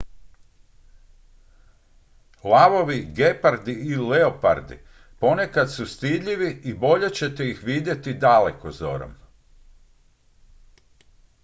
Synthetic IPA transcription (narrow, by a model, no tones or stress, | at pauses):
laʋo̞ʋiɡepaɾd̪iileopa̰ɾd̪ḭ | po̞ne̞kat̪sust̪id̪ʎiʋiibo̞ʎe̞t͡ɕe̞t̪eixʋid̪je̞t̪id̪alekozo̞̰ɾo̰m